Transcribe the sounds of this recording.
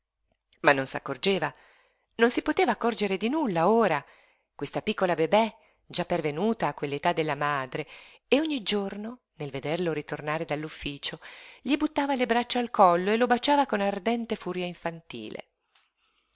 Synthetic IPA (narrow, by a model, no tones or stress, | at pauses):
manːonsa̰kːord͡ʒeːva | nonsipot̪eːvaːkːɔrd͡ʒeɾed̪inulːaoːɾa | kwest̪apikːolabebɛ | d͡ʒapːervenuːt̪aːkːwelːet̪ad̪ːelːamaːd̪ɾeː | oɲːid͡ʒorno | nelved̪erloɾit̪ornaːɾed̪alːufːiːt͡ʃoʎibut̪ːaːvalebɾat͡ʃːaalkɔlːoelobat͡ʃaːvakonard̪ɛnt̪efuːɾjaiɱfant̪ḭːlḛ